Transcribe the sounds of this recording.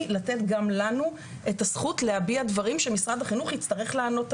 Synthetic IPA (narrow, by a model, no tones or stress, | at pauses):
latetɡamlanu | ʔe̞tasχutleabiadvaʁimʃemisʁad̪aχinuχit͡staʁe̞χleːno̞t